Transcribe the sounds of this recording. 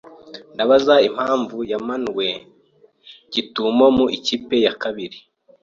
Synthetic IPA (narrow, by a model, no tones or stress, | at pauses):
ndaβazaim̥haːɱvujamanɡwe̞ | ɟitumo̞muʔiciːpe̞jakaβiɾi